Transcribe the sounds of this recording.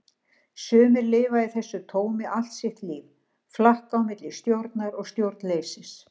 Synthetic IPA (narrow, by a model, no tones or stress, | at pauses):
sʏːmɪɾlɪːvaiθɛsːʏt̪ʰoːwmɪʔal̥t̪sjɪht̪liːv | flahkawmɪt̪lɪst̪jowɾt̪naɾɔɣst̪jowɾt̪nlejsɪs